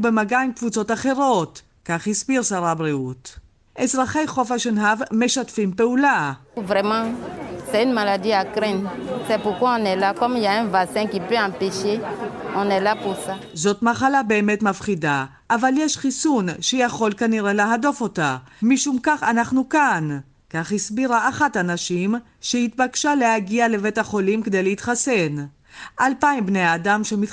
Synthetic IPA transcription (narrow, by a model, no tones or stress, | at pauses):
bemaɡajimkvut͡so̞taχe̞ʁo̞t | kaχhisbiʁsaʁabʁiut | ʔezʁaχe̞jχo̞faʃenɦavme̞ʃatfimpe̞ulavʁɛmɑ̃sɛynmalad̪iakʁɛ̃nsɛpuʁkwaɔ̃nɛlakɔmiljaɛ̃vaksɛ̃kipøɑ̃peʃeɔ̃nɛlapuʁsa | zo̞tmaχalabe̞ːme̞tmafχida | ʔːvaljeʃχisunʃejaχo̞lkaniʁe̞le̞ɦado̞fo̞tamiʃumkaχanaχnukan | kaχhisbiʁaʔːχatanaʃim | ʃeit̪̚bakʃalehaɡiale̞vetaχo̞limked̪e̞jleit̪χase̞n | ʔalpajmbnejaːdamʃemit